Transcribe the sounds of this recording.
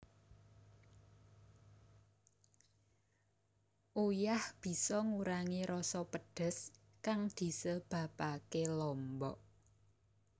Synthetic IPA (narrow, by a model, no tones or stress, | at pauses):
ʔujahb̥i̤sɔŋuɾaŋiɾɔsɔpəɖ̥ə̤s | kaŋd̪̥i̤səb̥ä̤pakelɔmbɔʔ